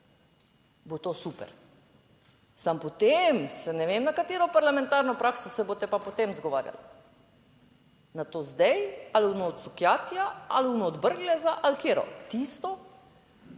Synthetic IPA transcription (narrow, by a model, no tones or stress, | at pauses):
bot̪osupɛ̰ɾ | sampɔt̪emsɛnɛʋeːmnakat̪eːɾɔpaɾlamɛ̃nt̪aːɾnɔpɾaːksɔsɛbot̪ɛpapɔt̪emzɡɔʋa̰ːɾja̰l | nat̪oːzd̪ɛjalunɔːt̪sukjaːt̪jaalunɔːd̪bəɾɡlɛzaʔalkeːɾɔ̰t̪ist̪ɔ